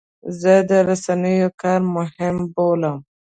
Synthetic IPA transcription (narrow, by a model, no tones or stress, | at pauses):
zəd̪əɾasanəjokɑɾmʊhɪmboləm